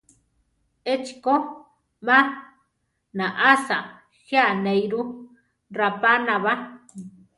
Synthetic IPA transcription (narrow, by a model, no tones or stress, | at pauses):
et͡ʃi̥ko | mã | nãʔasa | hjanejɾu | rapanãβa